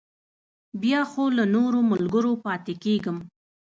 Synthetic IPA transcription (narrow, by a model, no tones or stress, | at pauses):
bjɑxolanoɾoməlɡəɾopɑt̪ekeɡəm